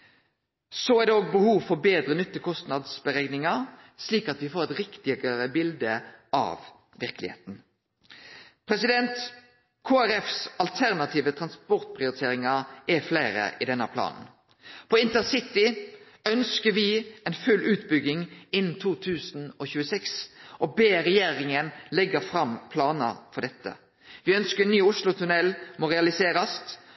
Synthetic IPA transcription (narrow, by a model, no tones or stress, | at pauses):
soæʁd̪ɛoːɡ̚bəhuːʋfɔbeːd̪ʁənʏt̪ːəkʰɔst̪nɑd̪sbəʁɛɡnɪŋɑ | sliːkɑt̪dʋɪfoːʁɛt̪ʁɪkt̪ɪɡəʁəbɪld̪əʔɑ̰ʋ | ʋɪʁkəlɪ̰hḛːt̪n̩ | pʰɾɛsɪd̪ɛnt̪ | kʰoːæɾɛfsɑlt̪ʰæʁnɑt̪ʰiːʋət̪ʰʁɑnspɔʁt̪̚pʰʁɪʊɾɪt̪ʰeːɾɪŋɑɾʔɛflæɪɾə̰ʔɪd̪ɛnːəpʰlɑ̰ːnn̩ | pʰɔɪnt̪əsɪt̪ɪ | œnskəɾʋɪɛnfʉlʔʉːt̪bʏɡɪŋɪnːn̩t̪ʰuːt̪ʰʉːsn̩ɔçʉːəsɛksʔɔbeːɾɛjeːʁɪŋənlɛɡəfɾɑmpʰlɑːnə̰fɔd̪ɛt̪ːə̰ | ʋɪœnskənːyːʊʂlʊt̪ʰʉnɛlmoːʁɛɑlɪseːɾɑst̪